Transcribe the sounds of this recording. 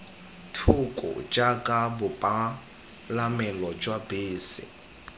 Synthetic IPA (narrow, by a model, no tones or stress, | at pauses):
tʰukʼʊ̰d͡ʒakʼabʊpʼa | lamɛlɔd͡ʒwabeːsɪ̰